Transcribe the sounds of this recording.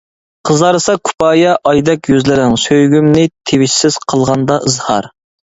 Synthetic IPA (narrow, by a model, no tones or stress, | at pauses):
qʰəzɑɾɨsɑkʰu̥pɑːjɑʔɑjd̪ɛkʲjyzlɪɾɪŋsøjɡʲymnɪt̪ʰewɪʃsɪz̥qʰəlˠʁɑnd̪ɑʔɨzhɑ̰ɾ